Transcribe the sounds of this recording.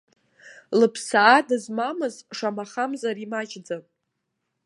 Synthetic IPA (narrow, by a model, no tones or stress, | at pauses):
lɨpʰsaːdɨzmamɨzʂamaχamzaɾimat͡ʃʼd͡zanʼ